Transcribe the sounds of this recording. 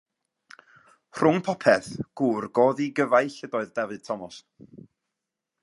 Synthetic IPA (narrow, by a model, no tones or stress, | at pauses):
r̥ʊŋpʰɔpʰɛθɡ̥uːrɡoːðiɡəvaɨɬədɔɨðdɛvɨd̥̚tʰɔmɔs